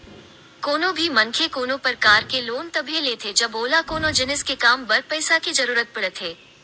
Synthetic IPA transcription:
koːnõbʱimɐŋkʰekoːnõpɐɾkaːɾkeloːnt̪ɐbʱijeleːt̪ʰed͡ʒɐboːlakoːnod͡ʒɪnɪskekaːmbɐɾpɛɪsakizɐɾuːɾət̪̚pɐɽət̪ʰɦeː

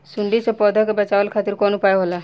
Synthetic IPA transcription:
suɳɖisepɔd̪ʱɔkebɛt͡ʃawəlkʰat̪iɾkɔnupajɦola

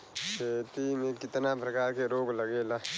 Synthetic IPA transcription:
seːt̪imẽkɪt̪napɾəkaːɾkeɾoːɡləɡeːla

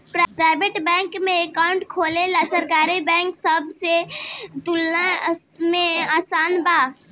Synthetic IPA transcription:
ppɾaːɪbeʈbɛ̃ːŋkmẽekaʊ̃ɳʈkʰoːlelasəɾkaːɾibɛ̃ːŋksəbset̪ʊlnamẽaːsaːnbaː

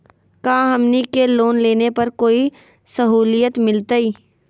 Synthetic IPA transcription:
kaːɦɐmnikeloːnleːnepɐɾkoːi | sɐɦuːlijət̪mɪlt̪aiː

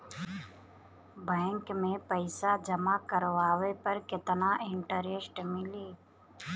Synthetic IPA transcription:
bɛːŋkmẽːpəɪsaːd͡ʒəmaːkəɾʋaːʋeːpəɾkɪt̪naːʔɪɳʈəɾesʈmɪleː

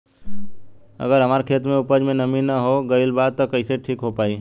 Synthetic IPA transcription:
ɐ̰ɡəɾɦɐmaːɾkʰeːt̪mẽʊpəd͡ʒmẽnɐminaɦoɡɐɪlbaːd̪̚t̪okɐɪseʈʰiːkɦopaːiː

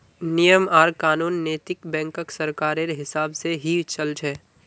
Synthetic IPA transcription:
nijəmaːɾkaːnuːnːeːt̪ɪkbɛ̃ːŋkəksɐɾkaːɾeɾɦɪsaːbseɦit͡ʃɐlt͡ʃɦɛː

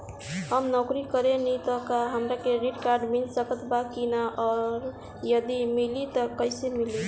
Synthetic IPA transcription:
həmnɔkɾikəɾenɛt̪ɔkaɦəmɾakeɾiʈkaɾɖmilsəkət̪bakinaʔɔɾ | jəd̪imilit̪əkəjsemili

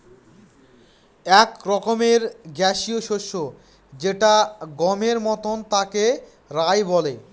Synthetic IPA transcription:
ɛkɾɔkomeɾɡɛʃioʃoʃːo | d͡ʑeʈaɡɔmeɾmɔt̪ont̪ake | ɾajbɔle

